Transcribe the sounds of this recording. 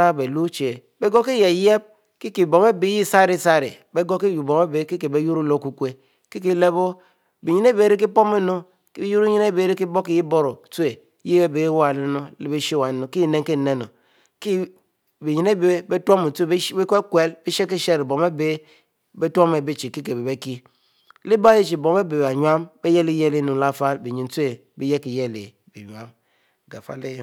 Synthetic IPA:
a˦be˨lu˦t͡ʃe˨ | be˦ɡo˦ki˦je˨je˦b̚ | ki˦ki˨bo˨m˦e˦bi˦ji˦˨sa˦˨ɾi˦˨sa˦˨ɾḭ˨ | be˦ɡo˦ki˦ju˨bo˨me˦be˦ki˦ke˨be˨˦ju˦ɾu˦˨lo˦ku˦kʷe˦ | ki˦k̬i˦le˦bo˦ | bi˨ɲi˦ne˦be˨˦˨ɾi˦k̬i˦po˦me˦no˦ | ki˦be˦ju˦ɾu˦ɲi˦ne˦be˨˦ɾi˦k̬i˦bo˦ki˨ji˦bo˦ɾo˨tu˦e˨˦ | ji˦be˦be˨˦wa˨le˦no˦le˦be˦ʃe˦˨wa˨no˨ki˦˨ne˦ŋ˦ke˦n̩˨ne˦˨no˨ | ki˦ | bi˨ɲi˨ne˦be˨˦be˦two˦mu˨te˦˨˦be˦ke˦kwe˦lbi˦ʃe˦ki˦ʃe˦ɾbo˨me˦be˦ | be˦to˦me˨be˦t͡ʃi˨ki˦ke˨be˨be˦ki˦ | li˦ba˦i˦t͡ʃi˨bo˨m˦e˦be˨ba˨ɲ˦a˦mbe˦je˦li˦je˦li˦nu˨la˦˨fa˦lbi˨ɲi˨n˨te˨ | bi˦je˦ki˨je˦le˨ | bḭ˨ɲ˨a˦m˨ | ɡa˨fa̰˨˦le˦j

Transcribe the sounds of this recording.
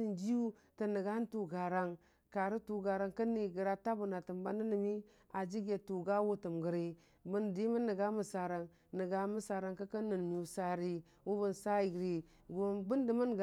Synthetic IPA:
i˨nd͡ʒi˦ju˦ | tə˨nə˨ɡa˦n˦tu˨ɡa˨ɾa˦ŋ | ka˨ɾi˦tu˨ɡa˨ɾa˨ŋkə˦ni˨ɡə˨ɾa˦ta˦bu˨na˨tə˨mba˦nə˦nə˨mi˦ | a˨d͡ʒi˦ɡe˨tu˨ɡa˦wu˦tə˨mɡə˨ɾi˦ | bə˦ndi˦mə˦nːə˨ɡa˦mə˨sa˨ɾa˨ŋ | nə˨ɡa˨˦mə˦sa˨ɾa˨ŋka˦kə˦nə˨nm˨u˨sa˨ɾi˦ | wu˦bə˦n˨sa˦i˨ɡɾi˨ | ɡo˦bu˦ndi˨mə˦n˨ɡ

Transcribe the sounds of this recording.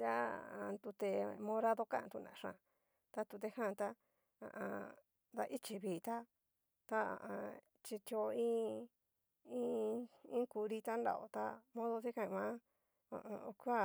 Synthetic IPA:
ja˦ã˧t̪u˧t̪e˧mõ˧ɾa˦ðo˧kã˦˧t̪u˧nã̰˨˧ʂã̰˧˨ | t̪a˦t̪u˧t̪e˧hã˦˨˧t̪a˦ | ã̰˧ʔã˧ | d̪a˧ʔi˦t͡ʃi˧βiː˨t̪a˦ | t̪a˦a̰˨ʔã˧ | t͡ʃi˧t̪jo˧ĩː˦ | ĩ˦ĩ˦ku˧ɾi˧t̪a˦nda̰˧˨ʔo̰˧˨t̪a̰˦mõ˦ðo˧ti˦kã˧ĩ˧mã˦ | ã̰˨õ˧o˧ku˦a˦

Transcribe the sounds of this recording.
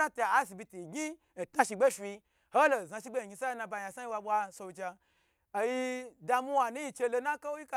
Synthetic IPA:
a˦ta˧˨a˦s̬i˧bʲi˧ti˨ɡʲi˦ | n̩˨tna˦ʃi˧ɡ͡be˦fʲi˧ | ho˦lo˨za˧ʃi˦ɡ͡be˦i˨ɡʲi˧sa˦˧na˧ba˧˨ja˧˨sa˦ji˧wa˧ɓʷa˧so˧d͡ʒa˧ | a˨ji˧da˧mu˦wa˧˨nu˦ji˧t͡ʃe˧lo˧nã˦ka˦wo˦ji˦ka˧

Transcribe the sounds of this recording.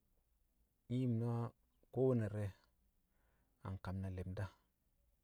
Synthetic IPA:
ŋi˦jm˨n˦a˦ | ko˦wo˦na˨ɾe˦ | a̰˨ŋ˨ka˨mna˨le˨mda˦

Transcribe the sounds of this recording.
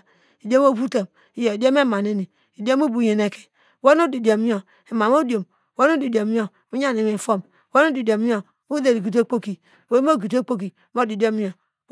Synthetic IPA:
i˨do˦m˦o˦bu˦ta˨m | i˦jo˨i˨do˦me˦˨ma˨ne˦ni˨ | i˨do˦mo˦bu˨je˨ne˨ke̥˨ | wo˦n˦o˦di˨do˨mi˦o˨ | e˨ma˨mo˦djo˨m˨ | wo˦nu˦di˨do˨mi˦o˨ | u˦ɲa˦˨ni˨me˨fo˦m˨ | wo˦nu˦di˨do˨mi˦o˨ | u˦de˨ɾi˨ɡi˨t̬o˦k͡po˦ki˨ | o˦m˦o˦˨ɡi˨to˦k͡po˦k̬i˨˦m˦o˦di˨do˦mi˦o˨

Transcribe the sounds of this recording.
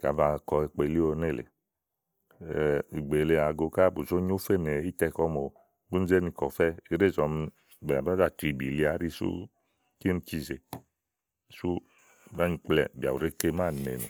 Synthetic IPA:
ka̰˨va˧kɔ˧ɛ˧k͡pe˧li˦o˧ne˦˨lḛ˨ | i˨ɡ͡be˨le˧a˨ɡo˧ka˦bu˨zo˦ɲo˦fe˦˨ne˨i˦tɛ˧kɔ˧˦mo˨ | bu˦n̩˦ze˦ni˧˨kɔ˨fɛ˦i˧˦ɾe˦˨zɔ˧m˧ | bɛ˨ba˦za˦˨tɾi˨˧˨bi˨li˧˦a˨˦ɾi˦˧sṵ˦ | ki˦ni˧˦t͡ʃi˧˨ze˨ | su˦˨ | ba˦ni˧˨k͡plɛ̰˨bi˨a̰˨wu˨ɾe˦ke˧˦ma˦˨nḛ˨nṵ˨

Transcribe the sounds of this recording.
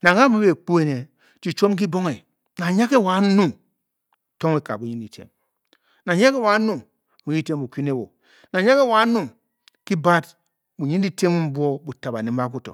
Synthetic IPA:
na˨ŋa˦mu˦be˨k͡pu˦e˦˨ne˨ | t͡ʃi˨t͡ʃo˦mk̬i˦bo˦ŋe˨ | na˨ɲa˦ke˦˨wa˨˦nu˦ | to˦ŋe˦ka̰˨bu˨ɲi˦ndi˨tʰḛ˦m | na˨ɲa˦ke˦˨wa˨˦nu˦˨ | mu˨ji˦te˦mbu˨kʷi˦ne˦˨wo̰˨ | na˨ɲa˦ke˦wa˨˦nu˦ | ki˦ba˦t | bu˨ɲi˦n˦i˦te˦mu˦m̩˦bo˦bu˨ta˨ba̰˨ne˨m˦ba˦ku˦to̰˨

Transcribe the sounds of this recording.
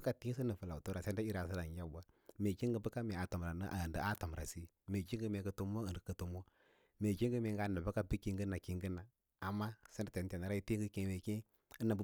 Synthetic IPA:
bka˦ti˦si˦nə˨fə˨la˨u˨to˦ɾa˨se˦nda˦i˦ɾa˨s̬i˦ɾa˨n˨d͡ʒa˦bu˦a˦ | me˨t͡ʃi˦ŋɡə˦bə˦ka˦me˨a˨to˨m˨ɾa˨n˦ʔdə˨a˦to˨m˨ɾa˨si˦ | me˨ki˦ŋɡə˦me˨kə˨tu˦m˦o˦ə˨n˨də˨kə˨to˨mo˦ | me˨ki˦ŋɡə˦me˨ŋ˦ɡa˦˨a˨bə˦ka˦bi˦ki˦ŋɡə˦na˨ki˨ŋɡi˦na˨ | a˨mːa˦se˦n˦da˦te˨n˦te˨na˨ɾa˦i˦ti˦ŋɡə˦ke˨me˨kẽ˦ | ə˦na˨b

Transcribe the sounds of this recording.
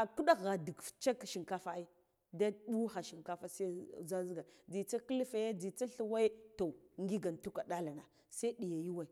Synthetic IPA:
a˨ku˦ɗa˦ɣa˨di˨kft͡ʃa˦kʃi˨ŋka˦fa˦i˦ | da˦ɗu˦xa˨ʃi˨ŋka˦fa˦sa˦za˦zi˦ɡa˨d͡zi˨t͡sa˦ki˦lfa˨ja˦d͡zi˨t͡sa˦ɬu˦wa˦i˦to˨ŋɡi˦ɡa˨n˨tu˦ka˨ɗa˦la˨na˨ | sa˦i˦ɗi˨ja˨ju˦wa˨i˨

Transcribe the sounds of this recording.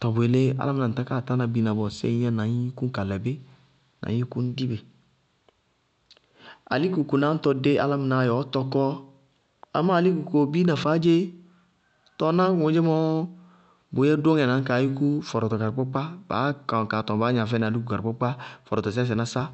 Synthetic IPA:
tɔ˨bo˨e˨le˦a̰˦la˦m˧nã˨tã˦kaː˦˨ta˦na˧bi˨˦nã˨bɔ˨sɛ̰˦ɛ˦nã˨ɲi˦ku˦ŋ̩˦ka˨lɛ˨be˦ | nʔã̰˨˦ĩ˦ku˦n̩˦di˦be˨ | a̰˨li˦ku˨ko˨na˨˦n̩˦tɔ˧de˦ʔa̰˦la˦m˨na˨˦˨jɔ˨˦tɔ˧kɔ˦ | a̰˨ma˦˨li˦ku˨ko˨bi˦nã˨faː˨˦d͡ʒe˦ | tɔ˧nã˦wõ˨d͡ʒe˦mɔ˦ | bo˨˦ɛ˦do˦ŋɛ˨nã˨˦ka˨˦ji˦ku˦fɔ˨ɾɔ˨tɔ˨ka˨ɾpɔ˦k͡pa˦ba̰ː˨˦ka˨ka˨tɔ̃˨baː˨˦ɲã˨fɛ˦na˨li˦ku˨ka˨ɾpɔ˦k͡pa˦fɔ˨ɾɔ˨tɔ˨s̬s̬ɛ˨na˨˦sa˦

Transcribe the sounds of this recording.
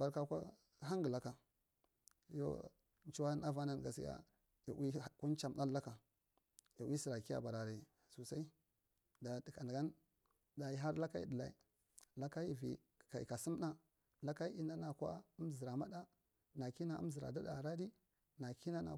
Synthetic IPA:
ba˨ɾka˦kʷa̰˦ | ɦa˦ŋɡə˨la˦ka˨ | jo̰˦ | n˦t͡ʃi˦wa˦na˦va˦na˨n˨ɡa˨si˦ja̰˦ | ja̰˨wi˦˨ku˦nt͡ʃa˨mna˦la˦ka˨ | ja˨wi˦si˨ɾa˨ki˦ja̰˦˨ba˨ɾa˨ɾa˨ | su˨sa˦i˦ | da˨di˨ka˨n˨ɡa˦n | da˨i˦ɦa˦ɾla˦ka˦ḭ˦də˨la̰˨ḭ˨ | la˦ka˦ji˦vḭ˨ | ka̰˨ka˨su˦m˦na˦ | la˦ka˦i˦i˦na˦na˨kʷa̰˦u˦mzi˨ɾa˨ma˦da˦ | na˨ki˦na˦˨ṵ˦m˦zi˨ɾa̰˨da˦da̰˨ɾa˦di˦ | na˨ki˦na˦na̰˨

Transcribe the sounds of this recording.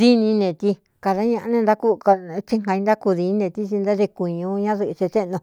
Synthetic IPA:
ði˦nĩ˧nẽ˧˨t̪i˧ | ka˨ða˦ɲã˧ʔa˧nẽ˧nd̪a˦ku˧ka˧t͡ʃi˦˧ŋã˧i˧nd̪a˦ku˧ði˧nĩ˦nẽ˧˨t̪i˧t͡ʃi˧nd̪a˦ðe˧ku˨ɲũ˧ɲã˦ðɨ˧ʔt͡ʃe˧t̪e˦nõ˧

